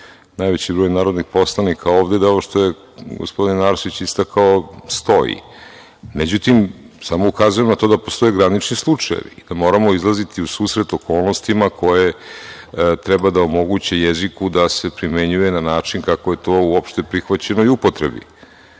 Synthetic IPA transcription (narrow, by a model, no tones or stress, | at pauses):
najʋet͡ɕibɾo̞ːjnaːɾod̪nixpo̞slˠanikʰaoːʋd̪ed̪aooʃt̪o̞je | ɡospo̞d̪inaɾʃit͡ɕist̪akʰaost̪o̞jḭ | med͡ʑut̪im | samo̞ukazujemnat̪o̞d̪apost̪o̞eɡɾanit͡ʃnislˠut͡ʂajḛʋḭd̪amo̞ːɾamo̞izlˠazit̪iusuːsɾe̞t̪okʰo̞ːlˠno̞st̪imakʰo̞je̞ | t̪ɾɛbad̪aomo̞ɡut͡ɕe̞jezikud̪ase̞pɾime̞ɲujenanaːt͡ʂinkakoje̞t̪o̞uopʃt̪e̞pɾixʋat͡ɕe̞noiupot̪ɾḛbḭ